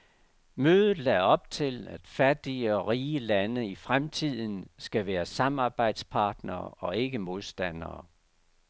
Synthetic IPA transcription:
møːðˠð̩ˠlɛɒ̽b̥̚t͡sʰe̝læd̥fæd̥iəɒ̽ʁiːəlænəifʁamt͡sʰið̰ˠn̩sɡ̥æʋæːɐsɑ̈mɑ̈ːb̥ɑ̈ɪ̰d̥spʰɑ̈ːd̥nɐ̰ːɒ̽e̝ɡ̥əmo̝ðˠsd̥æn̰ɐː

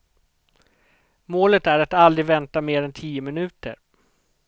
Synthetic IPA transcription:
moːlət̪æɾat̪ald̪ɾɪɡvɛnt̪ameːɾɛnt̪ʰiːəmɪnʉ̟ːt̪ə̰ɾ

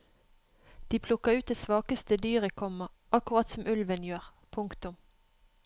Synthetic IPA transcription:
d̪̥iːpʰlʊkəʁʉːt̪̚d̪eːsʋɑːkəst̪əd̪yːʁəkʰɔmə | ʔɑkʊʁɑt̪sɔmʔʉlʋənjøːʁ | pʰʊŋkt̪ʊm

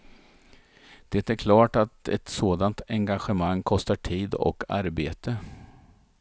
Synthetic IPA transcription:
d̪̥ɛt̪æɾkʰlɑːʈat̪ɛ̰t̪soːd̪ant̪ɛŋɡaɧəmaŋːkʰɔst̪aʈʰiːd̪ɔ̰kʰa̰ɾbeːt̪ə

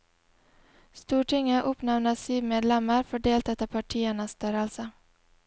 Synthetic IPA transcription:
st̪uːʈɪŋːəʔɵpnavnasiːvmeːd̪lɛmːaɾfɔɖeːlt̪ʰɛt̪ːapʰaʈʰiːəɳast̪œːɾəlsə

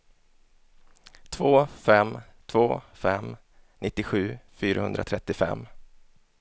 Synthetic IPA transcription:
t̪ʰvoːfɛmt̪ʰvoːfɛ̰m | nʔɪt̪ːɪɧʉ̟ːfyːɾahɵnd̪ɾʔa̰t̪ʰɾɛt̪ːɪfɛ̰mː

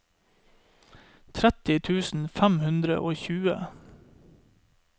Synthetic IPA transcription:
t̪ʰɾæt̪ɪt̪ʰʉːsn̩fæmhʉnd̪ɾə̰ʔoːçʉːə̰

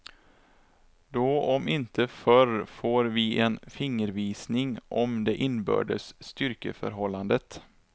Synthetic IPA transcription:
d̪̥ɔɔmɪnt̪əfœɾfoːɾvɪɛnfɪŋːəɾviːsnɪŋʔɔmd̪ɛʔɪnbø̰ːɖəsst̪ʏɾkə̰fœ̰ɾɦɔlːand̪ət̪

